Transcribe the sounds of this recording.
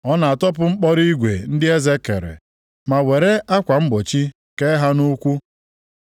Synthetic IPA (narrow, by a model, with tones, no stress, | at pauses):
ɔ˦na˨a˨tɔ˦p̬ʊ˦ŋ͡m̩˦k͡pɔ˦ɾi˦ɡʷḛ˨n̩˦dɪ˦e˦ze˦kḛ˨ɾḛ˨ | ma˨we˨ɾe˦a˦kʷa˨m̩˦ɡ͡bo˨t͡ʃi˦ | ke˦ɦa˦nu˦kʷu˦